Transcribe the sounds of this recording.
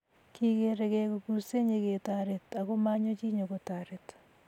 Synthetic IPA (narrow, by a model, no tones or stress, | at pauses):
kiɣeɾeɣekokuseɲeɣetaɾetaɣomaɲot͡ʃiɲoɣotaɾet